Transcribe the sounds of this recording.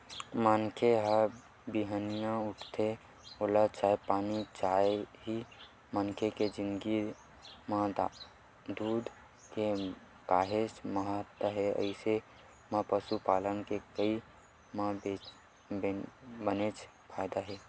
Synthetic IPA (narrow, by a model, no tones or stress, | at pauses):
mankʰeɦə | biɦənijãuʈʰt̪ʰe | olat͡ʃaepanit͡ʃaeɦi | mənkʰeked͡ʒind̪ɡi | mãd̪ | d̪ud̪ʱ | ke | kaɦesməɦət̪wəɦeə̰ɪse | mãpəsupalənkekəi | mãbe | bənet͡ʃʰ | pʰajd̪aɦe